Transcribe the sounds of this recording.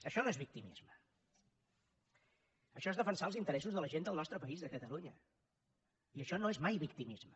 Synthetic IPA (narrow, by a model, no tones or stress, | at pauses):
əʃɔnoezβik̚t̪imḭzmə | əʃɔezðəfənsaəlˠzint̪əɾɛs̬uzðələʒend̪əlˠnɔst̪ɾəpəizðəkət̪əluɲə | iəʃɔnoezmajβikt̪imizmə